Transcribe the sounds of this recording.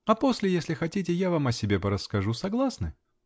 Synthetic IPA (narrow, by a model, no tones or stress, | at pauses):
ɐpo̞sʲlʲɪjesʲlʲɪxɐtʲitʲɪjavamɐsʲɪbʲe̞pəɾəsːkɐʐusɐɡlˠasnɨ